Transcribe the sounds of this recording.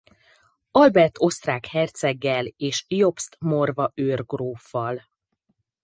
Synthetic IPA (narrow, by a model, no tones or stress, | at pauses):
ɒlbɛrt̪ʰo̞st̪raːkhɛrt̪sɛɡːɛleːʃijopst̪morvɒʔøːrɡroːfːɒl